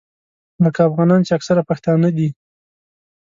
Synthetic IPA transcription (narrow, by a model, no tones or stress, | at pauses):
ləkaːfɣɑnɑnt͡ʃeaksaɾapaxt̪ɑnad̪i